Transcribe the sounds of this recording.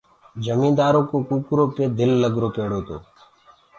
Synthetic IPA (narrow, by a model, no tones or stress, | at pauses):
d͡ʒəmĩːnd̪aːɾõːkoːkuːkɾoːkeːd̪ɪlːəɡɾoːpeːɽoːt̪o̰ː